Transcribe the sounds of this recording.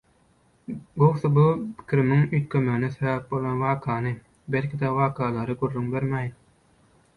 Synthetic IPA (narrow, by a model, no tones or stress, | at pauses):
ɡowsɯbupʰi̥kʲiɾimiŋyjt̪̚kʲʰømeɣinesevæp̚bolˠɑnwɑːkʰɑːnɯ | belʲkʲid̪æwɑːkʰɑːlˠɑɾɯɡurːyŋbeɾmæːjn